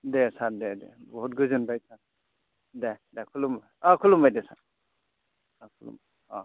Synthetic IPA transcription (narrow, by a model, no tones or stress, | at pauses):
desadedḛbɔt̚ɡɯzɯnbajsa | dedekʰulumbajakʰulumbajdesaɾ | akʰulṵma | ɔ̰